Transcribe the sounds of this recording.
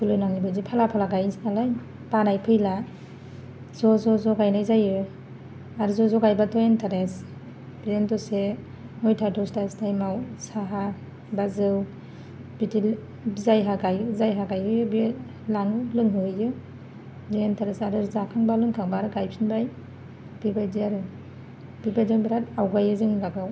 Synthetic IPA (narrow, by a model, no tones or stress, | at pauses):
kulɯnaŋibazipʰalapʰalaɡajsnalaj | panajpʰɯjla | zɔzɔzɔɡajnajzajɯ | aɾzɔzɔɡajbatɔentʰaɾes | b̥iɾentɔse | ŋɔjtʰadɔstastajmawsaɦa | bazɯw | biti | zajɦaɡajzajɦaɡajɯjɯbi | laŋɯlɯŋɦɯɯjɯ | zɯentʰaɾesaɾɯzakʰaŋbalɯŋkʰaŋbaɾɯɡajpʰinbaj | b̥ibajdiaɾɯ | b̥ibajdaŋbiɾatawɡajɯzɯŋɡaɡaw